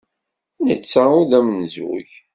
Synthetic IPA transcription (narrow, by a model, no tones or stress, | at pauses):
nət͡sːaʊðæmnzʊ̰ʝ